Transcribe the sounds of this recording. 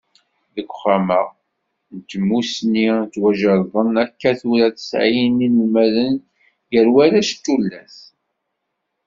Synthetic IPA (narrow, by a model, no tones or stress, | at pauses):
ðəɡʷχamə | nt̪əmːusnit͡sːwæʒəɾðˤənækːæθuɾæθə̥sʕijininəlmæðən | jəɾwæɾæʃt̪ːulːæθ